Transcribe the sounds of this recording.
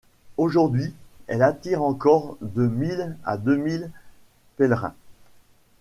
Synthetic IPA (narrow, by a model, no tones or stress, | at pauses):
oʒuʁd̪ɥiɛlat̪iʁɑ̃kɔʁd̪əmila̰d̪ømil | pɛlʁɛ̰̃